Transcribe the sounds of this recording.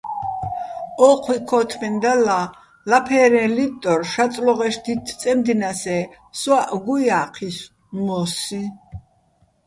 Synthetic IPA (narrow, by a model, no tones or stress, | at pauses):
ɔqʰwikʰɔt̪ʰmɛnd̪ala | lapʰɛɾɛ̃lit̪ʼɔɾʃat͡s̪ʼlɔʁɛʃd̪it̪ʰt͡s̪ʼɛmd̪inasɛ | swaʔɡujaːqʰis | mɔsi